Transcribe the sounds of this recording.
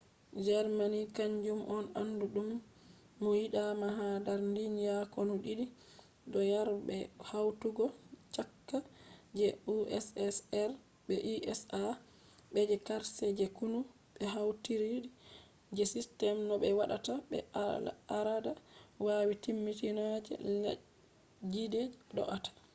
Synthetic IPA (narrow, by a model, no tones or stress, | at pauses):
d͡ʒɛɾmanikaɲd͡ʒumʔɔnanːduɗumː | ɔjiɗamaɦadaɾndinjakɔnuɗiɗi | dɔjaɾɓɛhawtuɡɔt͡ʃakːad͡ʒɛuɛsɛsɛɾ | bɛʔiʔɛsa | ɓɛd͡ʒɛkaɾsɛd͡ʒɛkunu | ɓɛɦawtiɾiɗi | d͡ʒɛsistɛmnɔɓɛwaɗataɓɛ̰aɾadawawitimːitinad͡ʒɛ̰ | d͡ʒided͡ʒɗɔ̰ʔatḁ